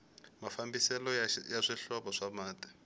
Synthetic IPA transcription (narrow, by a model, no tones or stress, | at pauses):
mafambisɛlɔjaʂiɬɔɓɔʂamaːtʼḁ